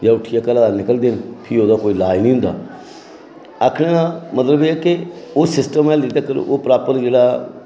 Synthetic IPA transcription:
jaːʊʈʰijaːkəlaːd̪aːnɪkəld̪enpʰɪoːd̪aːkoːiːlaːinĩːɦʊ̃nd̪a̰ː | akʰɽẽːãːmət̪ləbeːɛkɪoːsɪsʈəmɛːld̪iːt̪akəɾ̰ʔo̰ːpɾaːpəɾd͡ʒeːɽaː

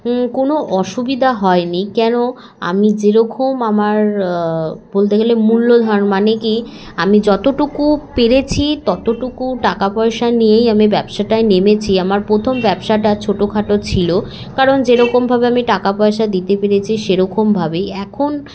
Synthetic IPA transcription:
konoʔɔʃubid̪ʱaɦɔenikɛno | a̰mid͡ʑeɾɔkʰomamaɾ | b̥olt̪eɡelemulːod̪ʱɔnmaneki | amid͡ʑɔt̪oʈukupeɾet͡ɕʰit̪ɔt̪oʈukuʈakapɔeʃanijejamibɛbʃaʈaenemet͡ɕʰiamaɾpɾot̪ʰombɛbʃaʈat͡ɕʰoʈokʰaʈot͡ɕʰilo | kaɾond͡ʑeɾɔkombʱabeamiʈakapɔeʃad̪it̪epeɾet͡ɕʰiʃeɾɔkombʱabeɛkʰon

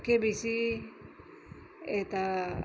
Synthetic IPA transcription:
kebisi | et̪a

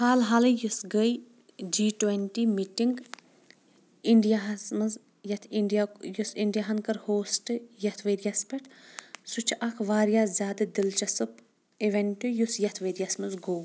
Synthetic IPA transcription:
haːlɦɐlɨjusɡəj | d͡ʒiːʈwenʈimiʈiŋɡ | iɳɖijasmɐz | jɐt̪ʰiɳɖijajusiɳɖijaɦɐnkɐɾhoːsʈɨjɐt̪ʰʋeːɾjɐspʲɐʈʰsut͡ʃʰʔɐkʰʋaːɾijaːzʲaːd̪ɨd̪ilt͡ʃɐsɨp | iʋɐnʈujusjɐt̪ʰʋeːɾjɐsmɨzɡoː

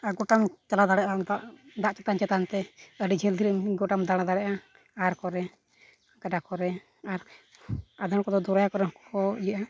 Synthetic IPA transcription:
aɡɔʈamt͡ʃalad̪aɽɛʔad̪aʔd̪aʔt͡ʃɛt̪ant͡ʃɛt̪ant̪ɛəɖid͡ʒʱɛld̪ʱiɾəmɡɔʈamd̪aɽad̪aɽɛʔa | aɾkɔɾɛ | ɡaɖakɔɾɛ | aɾ | ad̪aɽkɔd̪ɔd̪uɾajakɔɾɛɦɔkɔkɔijaʔa

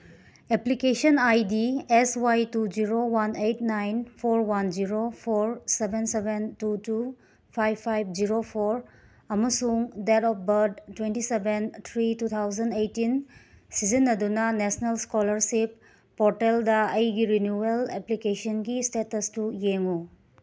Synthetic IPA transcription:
eplikesɐnajdieswajtud͡ʒiɾowanejt̚najnpʰoɾwand͡ʒiɾopʰoɾsebʱensebentutu | pʰajbpʰːajb̚ʰd͡ʒiɾopʰoɾ | ɐmɐsuŋdetɔp̚ʰbɐɾd̚twentisebent̪ʰɾitut̪ʰawzɐndejtin | sizinːɐdunɐnesnelskolɐɾsipː | ɔɾteldɐɐjɡiɾinjueleplikesɐnɡistetɐstujeŋu

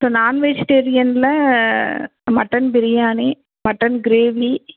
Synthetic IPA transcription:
soːnaːnʋeːd͡ʒɪʈeːɾɪjɐnlɐ | mɐʈːɐnpɪɾɪjaːni | mɐʈːɐnɡɪɾeːʋi

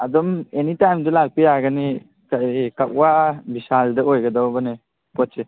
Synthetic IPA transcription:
adɔmenitajmdɯlak̚pijaɡani | kaikak̚wabisaldɯojɡadawbane | pɔtse

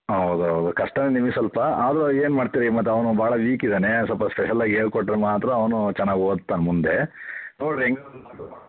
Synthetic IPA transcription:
ɦɐwd̪uɦɐd̪ukɐʂʈɐnenimisɐlpɐaːd̪ɐɾɐeːnmaːɖt̪iɾimɐt̪ːeɐʋnubaːɭɐʋiːkid̪ɐnesɐlpɐspeʃɐlːaːɡieːɾkɔʈːɾemaːt̪ɾɐːʋɐnut͡ʃɛnːaːɡioːd̪t̪ːaːnmund̪e̞noːɽeŋɡɐ

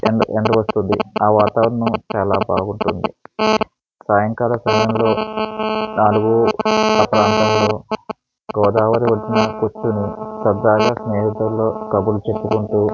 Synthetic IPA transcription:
eeɳɖɐʋɐst̪und̪ḭaːʋaːt̪aːʋɾɐɳut͡ʃaːlaːbaːɡuɳʈund̪ḭ | saːjɐŋkaːlɐsɐmɐjɐmlo̞ː | naːluɡuɐpɐɾaːnt̪ɐmlo̞ː | ɡɔːd̪aːʋɐɾiʋɐʈːinɐkut͡ʃːunisɐd̪ːaːɡaːsneːɦid̪ɐmlo̞ːkɐbulut͡ʃesukuɳʈuː

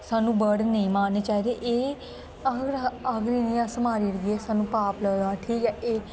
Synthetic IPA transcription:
saːnũːbəɽnəĩːmaːneːt͡ʃaːɦiːd̪eʔeː | aɡɾaɡɾiːnĩãːsəmaːɾiːləɡeːsaːnũːpaːpləːd̪aːʈ̪ʰiːjãːʔeː

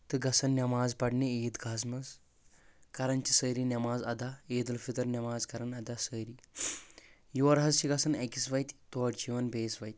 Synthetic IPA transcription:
t̪ɨɡɐsɐnnɐmaːzpɐɽneet̪ɡʱaːsmɐz | kɐɾɐnt͡ɕisəjɾinʲɐmaːzɐd̪ʱaed̪ɐlfit̪ɐɾnɐmaːzkɐɾɐnɐd̪asəɾi | juʋɐɾɦɐzt͡ɕiɡɐsɐnɛkisʋajt̪ʲt̪oʈd͡ʑiʋɐnbeːsʋajt̪ʲ

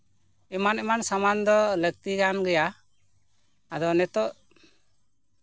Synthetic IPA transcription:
ɛmanɛmansamand̪ɔlək̚t̪iɡanɡɛja | ad̪ɔnɛt̪ɔʔ

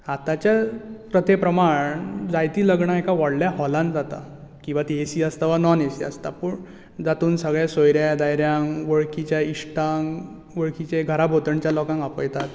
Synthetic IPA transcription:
at̪at͡ɕapɾət̪epɾəmaɳd͡zajt̪iːləɡɳaekaʋaɽljaɦɔlãnd͡zat̪a̰ | kĩw̃ʋat̪iesiəst̪aʋanɔnesiə̰st̪apəɳ | d͡zat̪uːnsəɡɭjasojɾjad̪ajɾjãŋʋəɭkit͡ɕaiʂʈãŋ | ʋəɭkʰit͡ɕẽɡʱəɾabʱot̪əɳt͡ɕjalɔkãŋɡapəjt̪at̪

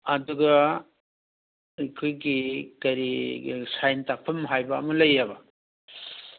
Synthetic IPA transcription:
ɐduɡɐ | ikʰojɡikɐɾisajntak̚pʰɐmɦajbɐːmɐlɐjabɐ

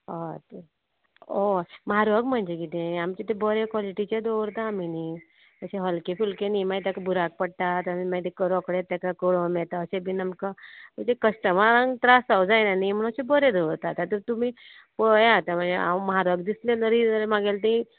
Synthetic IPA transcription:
ot̪ | omɦaɾəɡm̤əɳd͡ʒekit̪ẽamt͡ʃet̪ebəɾekwɔliʈit͡ɕed̪oɾt̪aːmini | əseɦəlkepʰulkenimãjt̪akabuɾak̚pəɽt̪at̪mimãjt̪ekəɾɔkɽet̪akakoɽomet̪aəsebʱinəmkaməd͡ʒekəsʈəmaɾãŋt̪ɾasawd͡zajnanim̤əɽ̃əsebəɾed̪oʋɾt̪at̪at̪əɾt̪um̤ĩ | pojat̪am̤əɳd͡zea̰məɦaɾəɡd̪isleləɾiəɾemãɡelt̪̬iĩ

